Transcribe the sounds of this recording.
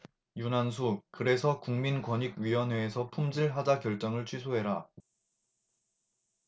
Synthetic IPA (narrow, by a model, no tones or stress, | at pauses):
junansʰukɯɾe̞sʰʌkuŋminkwʌɲiɡ̚ɥiwʌnɦeːsʰʌpʰumd͡ʑiɭɦad͡ʑakjʌɭt͡ɕ͈ʌŋɯɭt͡ɕʰɥisʰoɦe̞ɾa